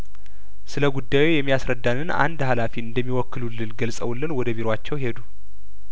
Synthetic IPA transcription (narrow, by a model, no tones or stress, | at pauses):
sɨləɡud̪ːajwejɛmːijasɾəd̪ːanɨna̰nd̪halafiɨnd̪əmːiwɔkːɨlulːɨnɡəlsʼəwlːɨnwɔd̪əbiɾoat͡ʃːɛwhe̞d̪u